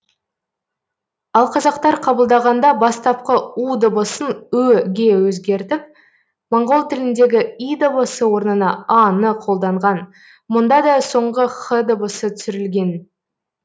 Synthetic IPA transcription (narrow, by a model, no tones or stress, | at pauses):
ɑlˠqʰɑzɑqt̪ɑɾqʰɑbəlˠd̪ɑʁɑnd̪ɑbɑst̪ɑp̚qəud̪əbəsənɵɡʲe̞wɵzɡʲe̞ɾt̪ɪp̚ | moɴʁo̞lˠt̪ʰɪlɪnd̪e̞ɡʲɪid̪əbəsəwo̞ɾnənɑɑnəqʰo̞lˠd̪ɑɴʁɑn | mʊnd̪ɑd̪ɑso̞ɴʁəχəd̪əbəsət̪ʰʏsʏɾɪlɡʲe̞n